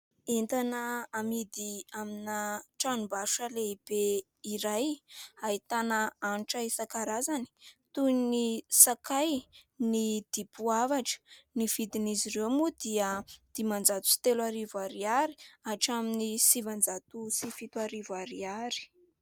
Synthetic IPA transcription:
int̪anəːmid̪iaminaʈ͡ʂanubaʃaleib̥e | iɾajait̪anaanʈ͡ʂaisakaɾazani̥t̪unisakajnid̪̥ipuavaʈ͡ʂə̥niv̥id̪iniziɾewmud̪iəd̪̥imand͡zat̪u̥si̥t̪elaɾivaɾiaɾi̥aʈ͡ʂaminisivand͡zat̪usifit̪uaɾivaɾiaɾi̥

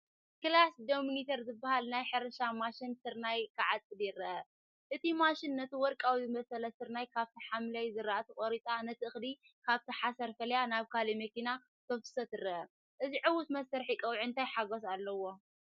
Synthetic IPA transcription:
kɨlasd̪omunit̪ʰɐɾzɨbːahalnajħɨɾɐʃamaʃinsɨɾnajkʰɨʕat͡sʼɨdjɪrɐʔɐ | ʔɨt̪ʰimaʃɪnːɐt̪iwɔɾkʼawizɨmɐsɐlɐsɨɾnajkʰaβt̪ʰiħamlɐjzɨɾaʔat̪ʰɨkʼoɾit̪ʼanɐt̪ʰɨʔɨxd̪i | kʰaβt̪ʰiħasɐɾfɐljanaβkʰalimɐkina | t̪ʰowt̪ɨ̥sɐt̪ɨɾɐɐ | ʔɨziʕɨwʊt̪mɐsːɐɾħikʼɐwʕiɨnt̪ʰajħaɡos̬alːɐwo̞

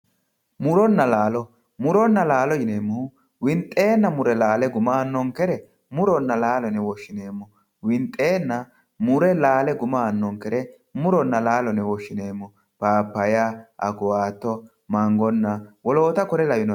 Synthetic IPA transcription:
mʊɾɔnːɐlaːlɔ | mʊɾɔnːɐlaːlɔjɪne̞ːmːɔ | wɪnt̪ʼːe̞ːnːɐmʊɾɛlaːlɛɡʊmaːnːɔŋkɛɾɛ | mʊɾɔnːɐlaːlɔnɛwɔʃːɪne̞ːmːɔ | wɪnt̪ʼːe̞ːnːɐ | mʊɾɛlaːlɛɡʊmaːnːɔŋkɛɾɛ | mʊɾɔnːɐlaːlɔnɛwɔʃːɪne̞ːmːɔ | paːpːɐjaʔɐ̰ɡʊwaːt̪ːɔ | mɐŋɡɔnːɐwɔlo̞ːt̪ɐkɔɾɛlɐjɪnɔ

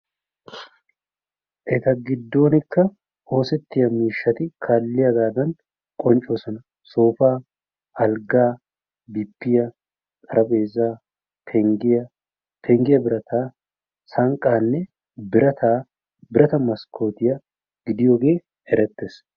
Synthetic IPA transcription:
ʔɛt̪ɐɡɪd̪ːo̞ːnɪkːɐ | o̞ːsɛt̪ːɪjɐmiːʃːɐt̪ɪkʰaːlːɪjɐɡaːd̪ɐn | kʼɔnt͡ʃʼo̞ːsɔnɐ | soːfaː | ɐlɡaː | bɪpːɪjɐ | t̪ʼɐɾɐbe̞ːzːaː | pʰɛŋɡɪjɐ | pʰɛŋɡɪjɐbɪɾɐt̪ʰaː | sɐŋkʼːaːnːɛ | bɪɾɐt̪aː | bɪɾɐt̪ɐmɐskʰo̞ːt̪ɪjɐ | ɡ̥ɪd̪ɪjoːɡe̞ː | ɛɾɛt̪ːes

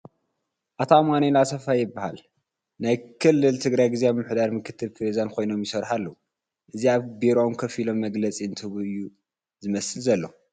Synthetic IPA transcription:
ʔat̪ʰamanelasɐfajːɪbːahal | najkʰɨlːɨlt̪ʰɨɡɾajɡizejaβmɨħd̪aɾmɨkʰɨt̪ʰːɨlpʰɾezankʰo̞jno̞mjɪsɐɾħalːɐu | ʔɨziaβbeɾomkʰɐfilo̞mːɐɡlɐt͡sʼiɨnt̪ʰɨβuɨjːu | zɨmɐsɨlzɐlːo

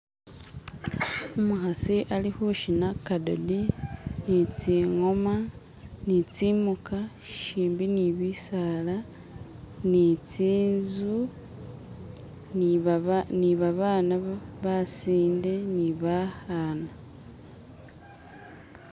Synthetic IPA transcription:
umuxasiʔalixuʃinakado̰dinit͡siŋo̞ma | nit͡simuka | ʃiːmbiniβisala | nit͡siːnzu | niβaβaːnaβasiːnde̞niβahaːna

